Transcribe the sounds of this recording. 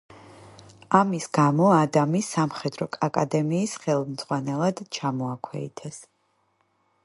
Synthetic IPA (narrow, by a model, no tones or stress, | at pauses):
amisɡamɔad̪amisamχɛd̪ɾɔkʼakʼad̪ɛmiːsχɛlˠmd̪z̥ʁwanɛlˠad̪̥t͡ʃʰamɔakʰwɛ̰ḭt̪ʰɛs